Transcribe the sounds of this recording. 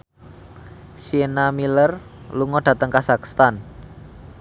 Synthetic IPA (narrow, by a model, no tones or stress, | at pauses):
sienamilərluŋɔɖ̥ä̤t̪əŋkasakst̪an